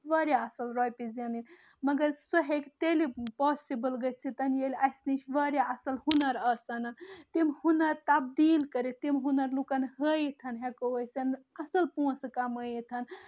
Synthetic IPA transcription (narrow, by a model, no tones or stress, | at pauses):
ʋɐɾjaɐsəlɾɔjpizɐnin | mɐɡəɾsəɦekt̪elipɔsibəlɡət͡ʃʰit̪ɐnjelʲɐsnit͡ʃʰʋəɾjaɐsəlhunɐɾɐsɐnɐnt̪imhunɐɾt̪ɐb̚d̪ilkəɾit̪imɦunɐɾlukɐnɦəjit̪ʰɐnɦekoəsɐnɐsəlpũskaməjit̪ʰɐn